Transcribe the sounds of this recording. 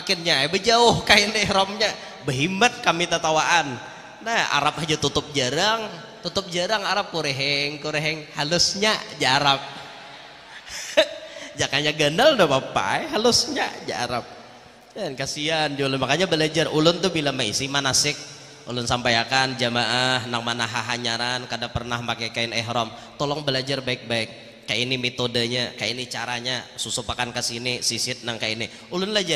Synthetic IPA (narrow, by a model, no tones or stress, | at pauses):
makɪnɲajbəd͡ʒaʊhkaindɪɾɔmɲa | bəɦimat̪̚kamit̪at̪awaʔan | naha̰ɾap̚had͡ʒat̪ut̪ʊp̚d͡ʒəɾaŋ | t̪ut̪ʊp̚d͡ʒəɾaŋaɾap̚kuɾeɦɛŋkuɾeɦɛŋhalʊsɲad͡ʒaɾap̚ | d͡ʒakanɲaɡənaldɔpapa̰jɦalʊsɲa̰d͡ʒa̰ɾa̰p̚ | ankasiand͡ʒulʊnmakaɲabəlad͡ʒarʔulʊnt̪ʊbilamaisimanasɪk̚ | ṵlʊnsampajakand͡ʒamaʔaɦnaŋmanaɦaɦaɲaɾankadaŋpərnahmakajkaɪnɛɦɾɔmt̪olɔŋbəlad͡ʒarbaɪk̚baɪk̚ː | ajainimet̪odəɲakajinit͡ʃaɾaɲasusʊpakankəsinisisɪt̪̚naŋkaini | ulʊnlahd͡ʒa